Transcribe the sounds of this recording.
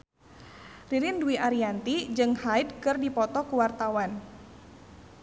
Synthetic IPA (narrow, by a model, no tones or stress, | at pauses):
riɾɪnduiʔaɾiant̪id͡ʒɨŋhaid̚kɨrdipɔt̪ɔkuwart̪awan